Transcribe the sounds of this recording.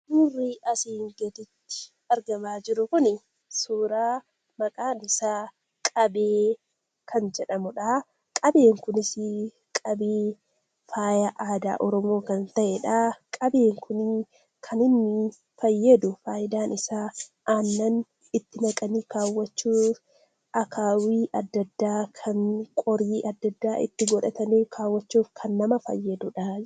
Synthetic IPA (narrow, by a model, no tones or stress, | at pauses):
d̪uːrːiːɐsiːŋɡeːt̪ɪt̪ːɪ̥ | ɐɾɡɐmaːd͡ʒɪɾʊkʊnɪ | suːɾaː | mɐkʼaːnɪsaː | kʼɐbeː | kʰɐnd͡ʒɛᶑɐmʊᶑaː | kʼɐbe̞ːŋkʊnɪsɪ | kʼɐbeː | faːjɐʔaːd̪a̰ːʔɔɾɔmo̞ːkɐnt̪ɐʔɛᶑaːkʼɐbeːŋkʰʊn | kʰɐnɪnːɪ | fɐjːɐd̪ʊfaːjɪd̪aːnʔɪsaːʔanːɐn | ɪt̪ːɪnɐkʼɐniːkaːwːɐt͡ʃːuːf | ʔɐkʰaːwiːʔɐd̪ːɐd̪ːaːkʰɐŋkʼɔɾiːʔɐd̪ːɐd̪ːaːʔɪ̰t̪ːɪɡɔᶑɐt̪ɐniːkʰaːwːɐt͡ʃːuːfkʰɐnːɐmɐfɐ̰jːɐd̪ʊᶑa